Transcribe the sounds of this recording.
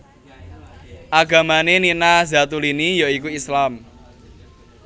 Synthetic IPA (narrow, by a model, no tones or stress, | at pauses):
ʔaɡä̤maneninaza̤t̪ulinijaikuislam